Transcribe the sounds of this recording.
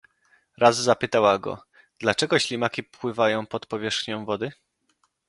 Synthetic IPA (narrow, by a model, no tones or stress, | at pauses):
ɾazzapɘt̪awaɡɔ̰ | d̪̥lat͡ʂɛɡɔɕlʲimakʲipwɘvajɔ̃w̃pɔt̪pɔvʲjɛʂxɲɔ̃w̃vɔd̪ɘ